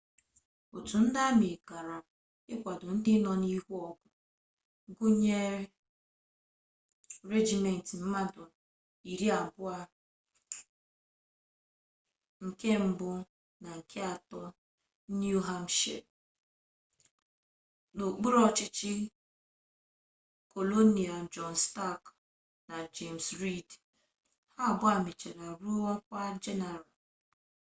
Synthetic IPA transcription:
o˨tu˨n̩˦da˦m˨e˨ka˨ɾa˨ | ɪ˦kʷa˨dʊ˨n̩˦dɪ˦nɔ˦ni˦ɦu˦ɔ˦kʷʊ˨˦ | ɡo˦ɲe˦ | ɾe˦d͡ʒi˨me˨n̩˨ti˨m̩˦ma˦dʊ˨ | i˨ɾi˦a˨bʊ˦a˦ | ŋ̩˨ke˦m̩˦bʊ˦ | na˨ŋ̩˨kʰe˦a˨tɔ˦ | nju˦ɦa˦mʃḛ˨ | no˨k͡pu˦ɾɔ˦t͡ʃɪ˦t͡ʃɪ˦ | ko˨lo˦ni˨a˨d͡ʒɔ˨n˨sta˦˨k | na˨d͡ʒe˨msɾi˦˨d | ha˦a˨bʊ˦a˨me˨t͡ʃe˨ɾa˨ɾu˦ɔ˦kʷa˦d͡ʒe˦ne˨ɾa˨

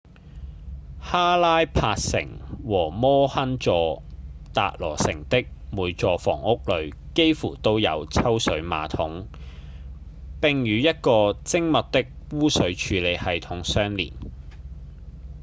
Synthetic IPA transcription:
haː˥laː˥jpʰaː˧t̚sɪ̰˨˩ŋwɔː˨˩mɔː˥hɐ˥nt͡sɔː˨˧t̪a̰ː˨k̚lɔ̰ː˨˩sɪ̰˨˩ŋt̪ɪ˥k̚muː˨˧jt͡sɔː˨˧fɔ̰ː˨˩ŋʊ˥k̚lɵ˨˧ɥke˥jfuː˨˩t̪o˥wjɐ̰˨˧wt͡sʰɐ˥wsɵ˨˧˥ɥma̰ː˨t̪ʰʊ˨˥ŋ | pɪ˨˧ŋjyː˨˧jɐ˥t̚kɔː˧t͡sɪ˥ŋmɐ˨tt̪ɪ˥k̚wuː˥sɵ˨˧ɥt͡ʃʰyː˨˧le˨˧jhɐ˨jt̪ʰʊ˨˥ŋsœː˥ŋlḭː˨˩n

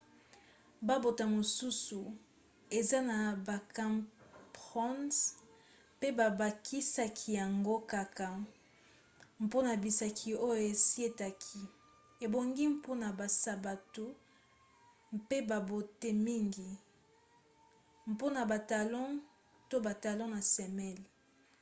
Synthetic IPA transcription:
ba˦bo˨ta˨mo˨su˦su˨ | e˨za˦na˨ba˨ka˦mpʁɔ̃˦ns | pe˦ba˨ba˨ki˦sa˦kʰi˨ja˨ŋɡo˦ka˨ka˨ | m˨po˦na˨bi˨sa˨kʰi˨o˦jo˨e˨si˦e˦ta˨kʰi˦ | e˨bo˨ŋɡi˦mpo˦na˨ba˨sa˨ba˨tu˦ | mpe˦ba˨bo˨te˦mi˦ŋɡi˨ | m˨po˦na˨ba˨ta˨lɔ̃˦ | to˦ba˨ta˨lɔ̃˦na˨sɛ˨mɛ˦˨l

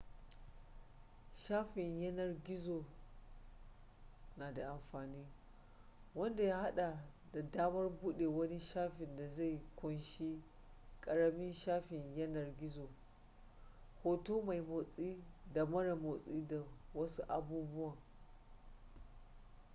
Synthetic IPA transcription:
ʃaː˦ɸɪ˨ɲjɐ˦nɐ˨rɡʲɪ˦zoː˨ | naː˨da˨ʔa˨mɸaː˨niː˦ | wɐ˦nda˨jaː˦ha˦ɗa˨ | da˨daː˦mɐ˦rbʊ˦ɗe˨wɐ˦ni˦ʃaː˦ɸɪ˨nda˨za˦˨jkʷʊ˦nʃi˦ | kʼɐ˨ɽɐ˦mɪ˦nʃaː˦ɸɪ˨ɲjɐ˦nɐ˨rɡʲɪ˦zoː˨ | hoː˦toː˦ma˨jmoː˨sʼiː˦da˨mɐ˦ɽa˨moː˨sʼiː˦da˨wɐ˦su˦ʔa˨buː˦bʊ˦wa˨

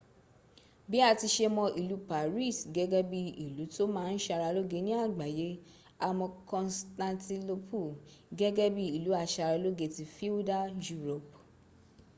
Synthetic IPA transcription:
bi˦a˦˨ti˧ʃe˧mɔ̃˧ʔi˨lu˨˦pa˨ɾi˦˨sɡɛ˦ɡɛ˦bi˦i˨lu˨˦to˦mãː˦˧n̩˦ʃa˧ɾa˧lo˦ɡe˧˦nĩ˦a˦˨ɡ͡ba˨je˨˦ | a˧mɔ̃˧kɔ̃˧nstã˧ti˧lo˧pʰu˦˨ɡɛ˦ɡɛ˦bi˦i˨lu˨˦a˧ʃa˧ɾa˧lo˦ɡe˧ti˧fi˦u˦da˦ju˦ɾo˨p

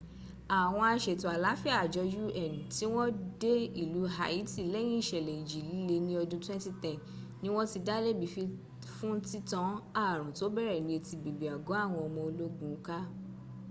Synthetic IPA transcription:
a˨w̃ɔ̃˧a˧ʃe˨tu˨a˨la˨˦fi˦a˦˨d͡ʒɔ˧d͡ʒu˦ʔɛ˨nĩ˨ti˨˦w̃ɔ̃˦de˦i˦˨lu˨˦ɦa˧˦i˦ti˦˨lɛ˦j̃ĩ˦i˦˨ʃɛ˨lɛ˨i˨d͡ʒi˨li˦le˧nĩ˦ɔ˧dũ˦twɛ̃˦nti˦tɛ̃˦˨n | nĩ˦w̃ɔ̃˦ti˧da˦le˦˨bi˨fi˧ | fũ˦n̩˦ti˦tɔ̃˦a˦˨ɾ̃ũ˨to˨˦bɛ˦ɾɛ˨nĩ˧e˧ti˧bi˨bi˨a˨ɡo˨˦a˦˨w̃ɔ̃˧ɔ˧mɔ̃˧o˧lo˦ɡũ˦ka˦

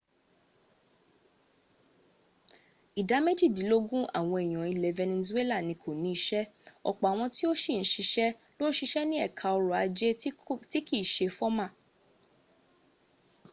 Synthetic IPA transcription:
i˨da˨˦me˦d͡ʒi˦˨dĩ˨˦lo˦ɡũ˦a̰˦˨w̃ɔ̃˧e˨j̃ɔ̃˨i˧lɛ˨vɛ˧nĩ˧ni˧su˦e˦la˦˨nĩ˧kʰo˨nĩ˨˦i˧ʃɛ˦ɔ̰˨k͡pɔ˨a˨w̃ɔ̃˧ti˦o˦ʃi˦˨n̩˨˦ʃi˧ʃɛ˦lo˦ñ̩˦ʃi˧ʃɛ˦nĩ˦ɛ˦˨kʰa˧ɔ˧ɾɔ˨a˨˧d͡ʒe˦ti˦ki˦˨ʃe˧fɔ˦mã˦˨

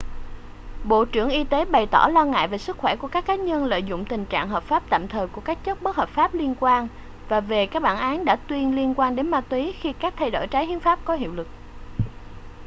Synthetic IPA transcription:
ɓo̰˧˨t͡ɕɨ̰˧˩əŋʔi˧t̪e˨˦ɓa˨˩jt̪ɔ˧˩lɔ˧ŋa̰ː˧˨jve˨˩sɨ˦˥k̚xwɛ˧˩ku˧˩əkaː˦˥kːaː˨˦ɲə˧nlə̰ː˧˨jzʊ̰˧˨ŋ͡mt̪ï˨˩ŋ̟t͡ɕa̰ː˧˨ŋɦəː˨˩p̚faː˦˥p̚t̪a̰ː˧˨mt̪ʰəː˨˩ku˧˩əkaː˦˥k̚t͡ɕə˦˥t̚ɓə˦˥t̚həː˨˩p̚faː˦˥p̚li˧ənkwaː˧n | vaː˨˩ve˨˩kaː˦˥k̚ɓaː˧˩nʔaː˨˦nɗa̰ː˧˥t̪wi˧ənli˧ənkwaː˧nɗe˨˦nmaː˧t̪wi˨˦xi˧kaː˦˥k̚t̪ʰa˧jɗo̰˧˩jt͡ɕaː˨˦jhi˨˦ənfaː˦˥p̚kɔ˨˦ɦḭ˧˨wlɨ˨˩k̚

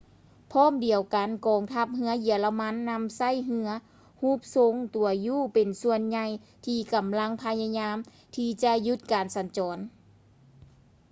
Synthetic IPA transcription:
pʰɔː˧˥˨mdi˨˩əwka˨nkɔː˨˩ŋt̪ʰa˧˩p̚ɦɯ˧˥ɐji˨˩ɐla˧ma˧˥nːa˧˥msa˧˥˨jɦɯ˧˥ɐ | huː˧˥˦p̚so˧ŋt̪u˨˩ɐjuː˧˩pe˨˩nsu˧ənɲa˧j | t̪ʰiː˧˩ka˨˩mla˧˥ŋpʰa˧ɲa˧ɲaː˧˥m | t̪ʰiː˧t͡ɕa˧ju˧˥t̪̚kaː˨˩nsa˨˩nt͡ɕɔː˨˩n

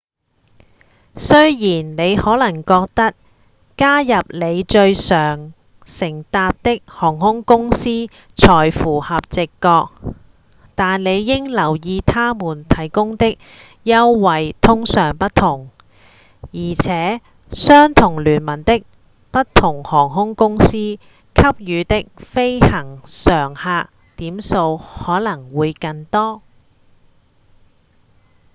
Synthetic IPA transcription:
sɵ˥ɥjiː˨˩nne˨˧jhɔː˨˥lɐ˨˩ŋkɔː˧k̚t̪ɐ˥k̚ | kaː˥jɐ˨p̚le˨˧jt͡ʃɵ˧ɥsœː˨˩ŋ | sɪ˨˩ŋt̪aː˧p̚t̪ɪ˥k̚hɔː˨˩ŋhʊ˥ŋkʊ˥ŋsiː˥ | t͡sʰɔː˨˩jfuː˨˩hɐ˨p̚t͡sɪ˨kːɔː˧k̚ | t̪aː˨nle˨˧jːɪ˥ŋlɐ˨˩wjiː˨˧t̪ʰaː˥muː˨˩nt̪ʰɐ˨˩jkʊ˥ŋt̪ɪ˥k̚ | jɐ˥wːɐ˨jt̪ʰʊ˥ŋsœː˨˩ŋpɐ˥t̪ʰʊ˨˩ŋ | jiː˨˩t͡sʰɛː˨˥ | sœː˥ŋt̪ʰʊ˨˩ŋlyː˨˩nmɐ˨˩nt̪ɪ˥k̚ | pɐ˥t̚t̪ʰʊ˨˩ŋhɔː˨˩ŋɦʊ˥ŋkʊ˥ŋsiː˥ | kʰɐ˥p̚jyː˨˧t̪ɪ˥k̚fe˥jhɐ˨˩ŋsœː˨˩ŋhaː˧ | t̪iː˨˥mso˧whɔː˨˥lɐ˨˩ŋwuː˨˧jkɐ˧nt̪ɔː˥

